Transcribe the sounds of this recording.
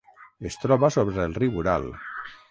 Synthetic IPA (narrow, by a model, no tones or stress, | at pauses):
est̪ɾɔβasoβɾeelˠriβuɾa̰lˠ